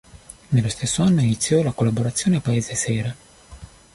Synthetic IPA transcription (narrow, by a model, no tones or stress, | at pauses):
nelːost̪esːoanːoinit̪sːjɔlakolːaboɾat̪sːjoːneapaeːzesɛːɾa